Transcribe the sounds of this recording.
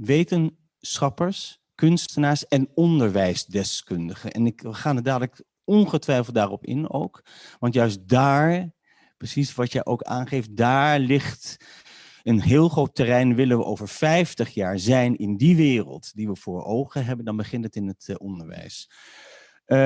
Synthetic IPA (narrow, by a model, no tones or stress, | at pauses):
ʋejtən | sχɑpəɹs | kɵnstənaːɹsɛnɔndəɹʋɛjsdɛskɵndəχənʔɛ̰nɪkəχaːnədaːdələk | ɔnχətʋɛjfl̩ˠt̚daːrɔpɪ̰no̰wk | ʋɑntjœɥst̚daːɹ | prəsisʋɑtjəʔowka̰ːnχejft̚daːɹlɪχt | ənɦɪːlˠχrowtːɛrɛjnʋɪlənʋəʔowvəɹfɛjftəχjaːɹzɛjnɪndiʋɪːrə̰lˠtdiʋəv̥ʊːɹo̰wχəɦɛbəndɑnbəχɪntətɪnətɔndəɹʋɛ̰js